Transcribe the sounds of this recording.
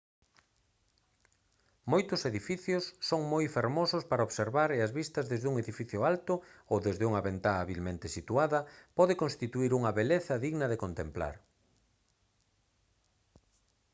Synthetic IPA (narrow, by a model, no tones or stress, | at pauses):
mojt̪ʊseðifiθjʊsːoŋmojfeɾmosʊspaɾɐoβseɾβaɾeɐzβist̪ɐzðezðuŋeðifiθjʊalt̪ʊowðezðeuŋɐβent̪aːβilmẽnt̪esit̪uaðɐpɔðekonst̪it̪uiɾuŋɐβeleθɐðiɣnɐðekont̪empla̰ɾ